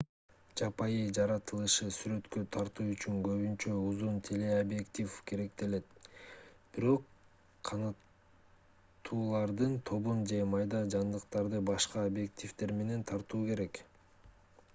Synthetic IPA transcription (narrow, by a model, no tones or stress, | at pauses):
d͡ʒɑpɑjɯd͡ʒɑɾɑt̪ɯlˠɯʃɯsyɾø̞t̪kø̞t̪ʰɑɾt̪uːyt͡ʃyŋɡø̞βynt͡ʃø̞uzunt̪ʲʰe̞le̞obje̞kt̪ʲifkʰe̞ɾe̞k̚t̪e̞le̞t̪̚ | b̥iɾo̞qːʰ | ɑnɑt̪ | uːlˠɑɾd̪ɯnt̪ʰo̞βund͡ʒe̞mɑjd̪ɑd͡ʒɑnd̪ɯqt̪ɑɾd̪ɯbɑʃqɑobje̞k̚t̪ʲift̪e̞ɾme̞ne̞nt̪ʰɑɾt̪uːke̞ɾe̞k